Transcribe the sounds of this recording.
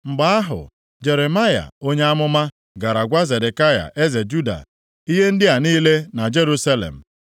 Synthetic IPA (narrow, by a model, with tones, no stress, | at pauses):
m̩˨ɡ͡ba˦a˦ɦʊ̰˨ | d͡ʒe˨ɾe˨ma˦ja̰˨o˦ɲe˦a˦mʊ˦ma˦ | ɡa˨ɾa˨ɡʷa˦ze˨de˨ka˦ja̰˨ʔe˦ze˨d͡ʒu˦da̰˨ | i˦ɦe˦n̩˦dɪ˦a˨niː˦le˦na˨d͡ʒe˦ɾu˦sa˦lḛ˨m̩˨